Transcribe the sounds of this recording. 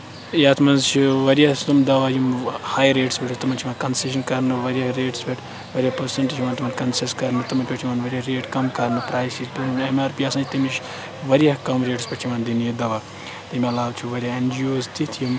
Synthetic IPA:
jaːt̪ʰmɐnzt͡ʃʰiʋɐɾiɐst̪umd̪ɐʋaːjumhaːjɾeːʈsbʲeʈʰut̪ɐmɐnt͡ʃʰimaːnkɐnseʃ̬ɐnkɐɾnɨʋɐɾijɐɦɾeːʈsbeʈʰ | ʋɐɾʲijapɐɾseɳʈit͡ʃʰimaːnt̪umɐnkɐnseskɐɾnɨt̪ɐmɐnʲpʲeʈʰimaːnʋɐɾʲiɐɦɾeːʈkɐmkɐɾnɨpɾaːjsizt̪unemaːɾpiɐsɐ̃nt͡ʃʰt̪ɐmiʃ | ʋɐɾijɐɦkɐmɾeːʈspʲeʈʰimand̪injɐd̪ɐʋa | t̪imiɐlaːʋt͡ʃʰuʋɐɾʲijɐend͡ʒijoːzt̪it̪ʰjum

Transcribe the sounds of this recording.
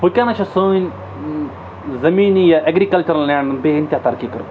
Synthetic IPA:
pukʲaːnɐt͡ʃʰasonʲ | zɐmiːnijaʔɐɡɾikɐlt͡ʃɐɾɐlːaːɳbeːɪnt̪ʲat̪ɐɾkikɐɾ

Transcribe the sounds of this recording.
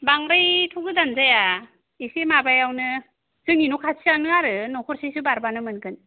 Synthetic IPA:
baŋɾajtʰuɡɯdanzaja | isemabajawnɯ | zɯŋinukʰasʰianɯaɾɯnɔkʰɔɾsisubaɾbanɯmɯnkʰɯn

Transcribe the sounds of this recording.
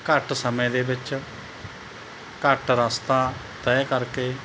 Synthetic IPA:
kəʈsəmẽːd̪eːbɪt͡ʃ | kəʈɾaːst̪aː | t̪ɛːkəɾkeː

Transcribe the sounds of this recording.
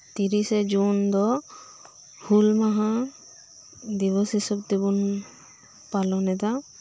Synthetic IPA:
t̪iɾised͡ʒund̪ɔ | hulmaɦã | d̪iβɔsisɔbt̪ibun | palɔnɛt̪a

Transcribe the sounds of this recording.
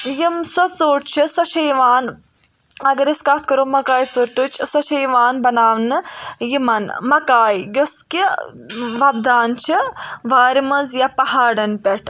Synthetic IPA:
jimsɐt͡soːʈ̚t͡ʃʰisɐʃʰɐjʋaːn | ɐɡɐɾiskat̪ʰkɐɾoːmɐkaːjt͡suɾʈut͡ʃʰsɐʃʰɐjʋaːnbɐnaːʋnɨjimɐnmɐkaːjjoski | ʋɐbd̪aːnt͡ʃʰiʋaːɾimɐzjapɐɦaːɖɐnpʲeʈʰ

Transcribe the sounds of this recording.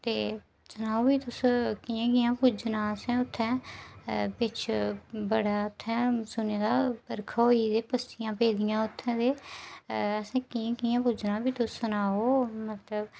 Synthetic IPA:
t̪eː | sʊnaːoːbiːt̪ʊskijãːkɪːãːpud͡ʒnãːəsɛ̃ːʊt̪ʰːɛ̃ː | pɪt͡ʃʰbəɽaːʊt̪ʰːɛ̃ːsʊneːd̪aːpəɾkʰaɦoːiːd̪eːpəst̪ijãːpeːd̪ijãːʊt̪ʰːɛ̃ːd̪eː | əsɛ̃ːkiãːkiːãːpuːd͡ʒnãːbiːt̪ʊsːʊnaːoːmət̪ləb

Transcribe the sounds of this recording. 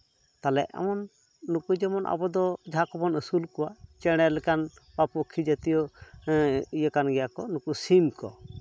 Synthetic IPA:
t̪alɛ̰ʔɛ̰mɔnː | ukud͡ʒɛmɔnʔa̰bɔd̪ɔd͡ʒakɔbɔnəsulkɔwat͡ʃɛɽ̃ɛlɛkanpapɔkʰid͡ʒət̪ijɔ | ijəkanɡɛjakɔnukusimkɔ̰

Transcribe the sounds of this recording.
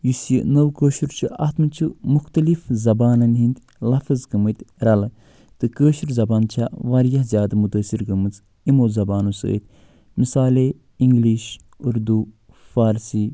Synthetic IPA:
jusjḭnɐwkəːʃuɾt͡ʃʰiʔɐ̰t̪mɨt͡ʃʰimuxt̪ɐlifzɐbaːnɐnɦind̪ | lɐfɐzɡɐmɨt̪ʲɾɐl | t̪ɨkəːʃiɾzɐbaːnt͡ʃʰaʋɐɾjɐɦzʲjaːd̪mut̪əsiɾɡɐmɨt͡s | imoːzɐbaːnusə̰ːt̪ʲ | misaːle | iŋɡliːʃ | uɾd̪u | faːɾsiː

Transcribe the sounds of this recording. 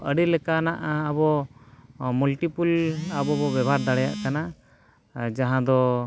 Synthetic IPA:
ʔəɽilɛkanaʔəbɔ | mulʈipulabɔbɔbɛbʱaɾd̪aɽɛja̰ʔkana | d͡ʒaɦãd̪ɔ

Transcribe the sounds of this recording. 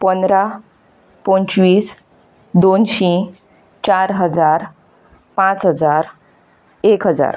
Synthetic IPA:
pənd̪ɾa | pɔ̃nt͡ɕʋiːs | d̪onɕĩ | t͡ɕaɾɦəd͡zaɾ | pãt͡sɦəd͡zaɾ | ekɦəd͡za̰ɾ

